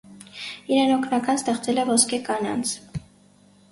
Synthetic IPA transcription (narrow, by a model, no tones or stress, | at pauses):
iɾɛnɔkʰnɑkɑnst̪ɛχt͡sɛlɛvɔskʰɛkɑnɑ̰nt͡sʰ